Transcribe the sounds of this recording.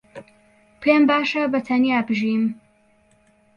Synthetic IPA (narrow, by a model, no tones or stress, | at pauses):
pʰeːmbaːʃɐbɐt̪ʰɐniaːbɨʒiːm